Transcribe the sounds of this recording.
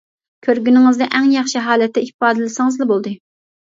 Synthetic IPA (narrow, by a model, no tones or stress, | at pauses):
kʲʰøɾɡʲynɪŋɨzd̪ɛʔɛŋjɑχʃiɦɑːlɛt̪ʰːɛihpɑːd̪ɨlɪsɪŋɨzlɨbolˠd̪ɨ